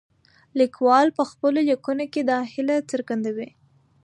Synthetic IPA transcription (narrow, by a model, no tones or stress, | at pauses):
likwɑlpəxpəlojakunoked̪ɑhɪlat͡səɾɡand̪awi